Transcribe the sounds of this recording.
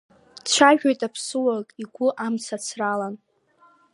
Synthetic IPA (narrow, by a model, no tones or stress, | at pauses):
t͡ʃʷʰaʒᶣajtʼapʰsɨwakʼiɡʷʊʔamt͡sʰat͡sʰralan